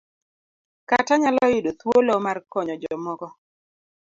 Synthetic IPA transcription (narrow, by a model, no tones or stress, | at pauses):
kataɲalɔjʊdot̪wolomarkɔɲɔd͡ʒɔmɔɡɔ